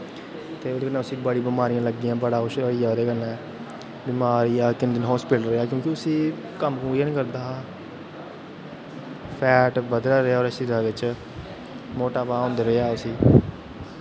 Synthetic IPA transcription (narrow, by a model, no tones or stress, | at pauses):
t̪eːoːd̪eːkənːãːʊsiːbaɽiːbɪmaːɾijãːləɡ̪ːɪːãːbəɽaːʊʃəiːaoːd̪eːkənːɛ̃ː | bɪmaːɾiːaːkɪnd̪ənɦɔːspɪʈəlɾəeaːkjõːkɪʊsĩː | kəmkũːiãːnĩːkəɾd̪aː | pʰɛːʈbəd̪ɾaːɾəaːɔːɾəsiaːʋɪt͡ʃ | moːʈaːbaːõːnd̪eːɾəeaːʊsiː